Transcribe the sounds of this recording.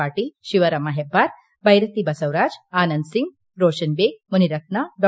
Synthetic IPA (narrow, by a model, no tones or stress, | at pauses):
aʈiʃiʋəɾɐmaɦebʱaɾ | bʱɐjɾət̪ibɐsəʋɾad͡ʒanənd̪siŋɡ̚ | ɾoːʃənbeɡ̚muniɾəknaɖɔ